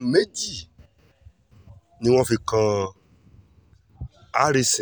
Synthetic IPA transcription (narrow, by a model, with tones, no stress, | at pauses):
me˦d͡ʑi˦˨ | nĩ˨wɔ̃˦fe˨kã˨ | a˦ɾe˦s